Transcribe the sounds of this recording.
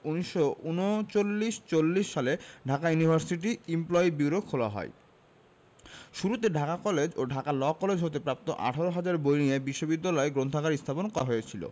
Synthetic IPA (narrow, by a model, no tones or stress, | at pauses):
uniʃːounot͡ɕolːiʃt͡ɕolːiʃːaleɖʱakajunibʱaɾsiʈiimplɔibiwɾokʰoloa̰ɦɔ̰e | ʃuɾut̪eɖʱakakɔled͡ʑoɖʱakalɔkɔled͡ʑɦot̪epɾap̚t̪oʔa̰ʈʰaɾoɦad͡ʑaɾbojniebiʃːobid̪ːalɔeɡɾont̪ʰakaɾist̪ʰaponkɔɾaɦoet͡ɕʰilo̰